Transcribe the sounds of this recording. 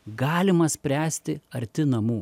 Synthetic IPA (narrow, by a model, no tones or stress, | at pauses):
ɡɑːlʲɪmɐsʲpʲɾʲæːsʲt̪ʲɪɐɾʲt̪ʲɪnɐmuː